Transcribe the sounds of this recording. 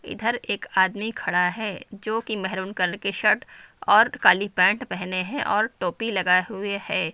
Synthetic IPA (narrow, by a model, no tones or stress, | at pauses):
ɪ̰d̪ʱəɾeːkaːd̪mikʰɐɽaɦɛːd͡ʒoːkimɛɦɾuːnkɐɾəɳkeʃɐʈɔːɾkaːlipɛ̃ːɳʈpɛɦneɦɛ̃ʔɔːɾʈoːpilɐɡaɦʊehɛː